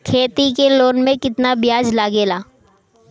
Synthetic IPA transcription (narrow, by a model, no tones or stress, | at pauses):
kʰeːt̪ikeloːnmẽkɪt̪nabɪjaːd͡ʒlaːɡeːlaː